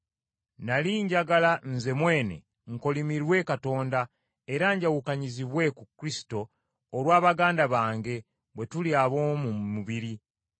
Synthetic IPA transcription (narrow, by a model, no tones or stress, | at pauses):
naliːɲɟaɡalanze̞mwe̞ːne̞̰ | ŋko̞limiɾwe̞kato̞ːnda | eɾaɲɟawukaɲiziβwe̞kukɾisi̥to̞ː | ɾwaːβaɡaːndaβaːŋɡe̞ | βwe̞tuliaβomumuβiɾi